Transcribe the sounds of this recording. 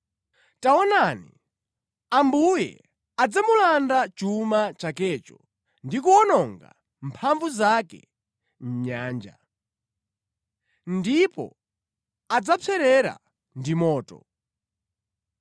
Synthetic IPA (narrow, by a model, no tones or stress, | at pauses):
taɔnanḭ | ambujɛ̰ | ad͡zamulandat͡ʃumat͡ʃakɛt͡ʃɔ | ndikuɔnɔŋɡa̰ | m̩pʰaɱvuzakɛ̰ | m̩ɲaːnd͡ʒa̰ | ndipɔ̰ | ad͡zat͡sʰɛɾɛɾa̰ | ndimɔːtɔ̰